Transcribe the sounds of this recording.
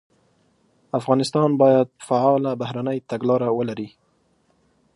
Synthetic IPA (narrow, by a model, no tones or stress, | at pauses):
afɣɑnɪst̪ɑnbɑjad̪̚faʕɑlabahɾanəjt̪aɡlɑɾawəlaɾi